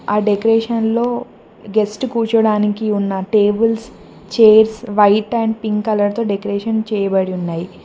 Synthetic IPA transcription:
aːɖekɐɾeːʂɐnlo̞ː | ɡesʈkuːt͡ʃɐɽaːnikiunːɐʈeːbɐls | t͡ʃeːɾsʋɐjʈːaːɳpiŋkkɐlɐɾt̪o̞ːɖekɐɾeːʂɐnt͡ʃɛːjɐbɐɽiunːaːji

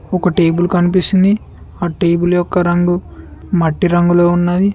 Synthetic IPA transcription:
ɔkɐʈe̞ːbulukɐnipisind̪i | aːʈeːbuljɔkːɐɾɐŋɡumɐʈːiɾɐŋɡuloːunːad̪i

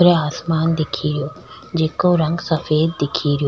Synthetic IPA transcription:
ɾeaːsmaːnd̪ɪkʰiːɾijoː | d͡ʒeːkoɾɐ̃ŋɡsɐfeːd̪ːɪkʰiːɾijo

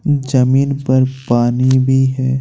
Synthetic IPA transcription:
d͡ʒɐmiːnpɐɾpaːnibʱiɦɛː

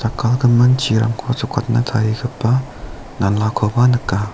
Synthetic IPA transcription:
t̪akalkəmənt͡ɕʰiɾamkʰot͡sʰokʰat̪̚nə̥t̪ʰaɾiɡəpːa | nanlakʰopanəkːa

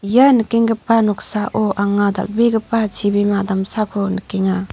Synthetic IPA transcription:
janɯkiŋɡɯpːanɔksaʔoʔaŋada̰beɡɯpːat͡ʃʰibimadamsakʰonɯkiŋa

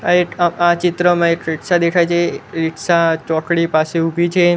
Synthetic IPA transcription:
aeat͡ʃɪt̪ɾəmãekɾiʈsad̪ekʰajt͡ʃʰeɾiʈʰsat͡ʃɔkɽipaseubʱit͡ʃʰe

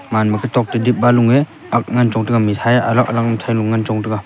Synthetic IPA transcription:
manmakʰitʰɔk̚tidip̚baluŋe | ak̚ŋant͡ʃɔŋtɯɡamitʰajaʔalakalak̚amtʰajluŋŋːant͡ʃɔŋtɯɡa

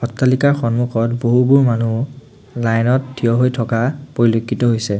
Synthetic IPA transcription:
xɔtːalikaɹxɔnmuxɔtboɦubuɹmanu | lajnɔt̚dijɔɦojtʰɔkapoɹilokʰːitɔɦojsɛ

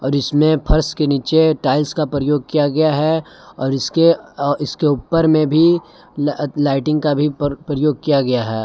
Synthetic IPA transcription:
ɔːɾɪsmẽpʰɐɾskeniːt͡ʃeʈaːɪlskapɾɐjoːɡ̚kijaɡɐjaɦɛ | ɔːɾɪskeɪskeuːpəɾmẽbʱi | laːɪʈɪ̃ŋɡkabʱipɾɐjoːɡ̚kijaɡɐjaɦɛː

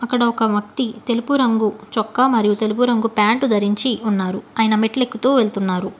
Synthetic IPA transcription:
ɐkːɐɽɐɔkɐmɐk̚t̪it̪e̞lupuɾɐŋɡut͡ʃɔkːɐmɐɾijut̪e̞lup̬uɾɐŋɡupaːɳʈud̪ʱɐɾiɲt͡ʃiunːaːɾuɐːjɐnɐmeʈle̞kːut̪oːʋeɭt̪unːaːɾu

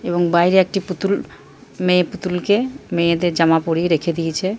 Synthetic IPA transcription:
eboŋbajɾeek̚ʈiput̪ul | mẽput̪ulkemed̪eɾd͡ʑamapoɾiɾekʰed̪ijet͡ɕʰe

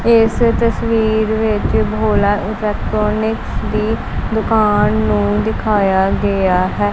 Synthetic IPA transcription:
ɪst̪əsʋiːɾʋɪt͡ʃbʱoːlaːʔɪlɛːk̚ʈɾɔːnɪksd̪iː | d̪ʊkaːnːũːd̪ɪkʰaːjaːɡəaːɦɛː

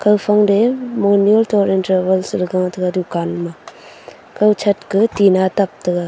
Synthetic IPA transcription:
kɐwpʰaŋdemɔnjoltɔɾintɐɾbɐlslɯɡaŋtʰɯɡadukanma | kɐwt͡ʃʰɐt̚kɯtinatap̚tɯɡa

